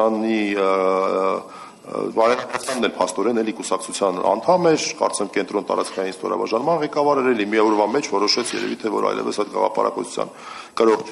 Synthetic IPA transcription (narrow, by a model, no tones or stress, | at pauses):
ɑni | vɑɾɛɑtɑt͡sʰjɑnːɛlpʰɑst̪ɔɾɛnɛlikusɑkt͡sʰut͡sʰjɑnɑ̰nt̪ʰɑmɛɾkɑ̰ɾt͡smɛmkɛnt̪ɾɔnt̪ɑ̰ɾɑt͡skʰɑjinst̪ɔ̰ɾɑ̰bɑ̰ʒɑnmɑnʁɛkɑvɑɾɛɾɛlimiɔɾvɑmɛt͡ʃʰvɔɾɔʃɛt͡sʰjɛ̰ɾɛ̰vit̪ʰɛvɔ̰ɾɑ̰jlɛ̰vəsɑjt̪̚ɡɑʁɑ̰pɑ̰ɾɑ̰kɔt͡sʰu̥t͡sʰjɑ̰n | kəɾɔʁ